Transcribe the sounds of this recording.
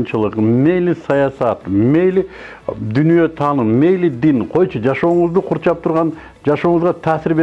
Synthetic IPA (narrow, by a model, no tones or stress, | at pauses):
nt͡ʃɯlˠɯqme̞jlisɑjɑsɑt̪me̞jli | d̪ynyjøt̪ʰɑːnɨnme̞jlid̪inqʰo̞jt͡ʃʰud͡ʒɑʃo̞ːɴʊzd̪uqʰuɾt͡ʃɑp̚t̪ʰuɾʁɑn | d͡ʒɑʃo̞ːɴʊzʁɑt̪ʰæːsɪɾbe